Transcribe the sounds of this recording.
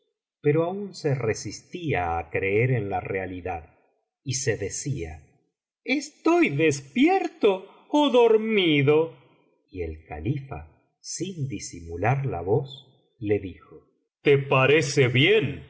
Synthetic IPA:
peɾoaunse̞resist̪iaːkɾe̞eɾenlarealiðað | ise̞ðe̞sia̰ | est̪ojðespjeɾt̪oː | ðoɾmiðo | ielka̰lifa̰ | sind̪isimulaɾla̰βos | le̞ðixo | t̪epaɾeseβjen

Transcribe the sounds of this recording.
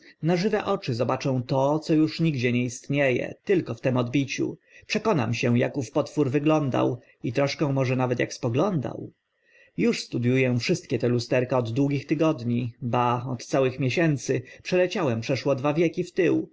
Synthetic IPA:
naʐɘvɛʔɔt͡ʂɘzɔbat͡ʂɛ̃w̃t̪ɔt̪sɔjuʂɲiɡd͡ʑɛɲɛist̪ɲejɛ̰t̪ɘlkɔft̪ɛmɔd̪bʲit͡ɕṵ | pʂɛkɔna̰mɕɛ̃jakufpɔt̪fuɾvɘɡlɔnd̪a̰w | it̪ɾɔʂkɛ̃w̃mɔʐɛnavɛt̪ja̰kspɔɡlɔnd̪a̰w | juʂst̪ud̪jujɛfʂɘst̪̚kʲɛt̪ɛlust̪ɛɾkaɔd̪ːwuɡʲixt̪ɘɡɔd̪ɲibaɔt̪sawɘxmʲjeɕɛnt̪sɘpʂɛlɛt͡ɕawɛmpʂɛʂwɔd̪vavʲjɛkʲift̪ɘw

